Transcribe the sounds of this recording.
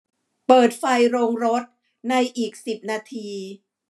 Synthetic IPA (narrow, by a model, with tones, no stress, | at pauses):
pɤː˨˩t̪̚fa˧jɾoː˧ŋɾo˦˥t̪̚ | na˧jʔiː˨˩k̚si˨˩p̚naː˧t̪ʰiː˧